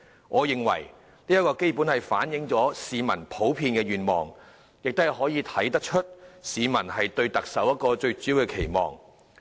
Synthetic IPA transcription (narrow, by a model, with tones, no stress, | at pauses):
ŋʔɔː˨˧jɪ˨ŋwɐ̰˨˩j | niː˥jɐ˥t̚kɔː˧ke˥jpuː˨˥nhɐ˨jfa̰ː˨˥njɪ˨˧˥ŋt͡sɔː˨˥siː˨˧mɐ̰˨˩npʰo˨˥wpʰiː˧nkɛː˧ɥyː˨˩nmɔ̰ː˨˩ŋ | jɪ˨k̚t̪o˥hɦɔː˨˥jiː˨˧t̪ʰɐ˨˥jt̪ɐ˥k̚t͡ʃʰɵ˥t̚siː˨˧mɐ˨˩nhɐ˨jt̪ɵ˧ɥt̪ɐ˨k̚sɐ˨˥wjɐ˥t̚kɔː˧t͡ʃɵ˧ɥt͡syː˨˥wkɛ˧kʰe˨˩jmɔ̰ː˨ŋ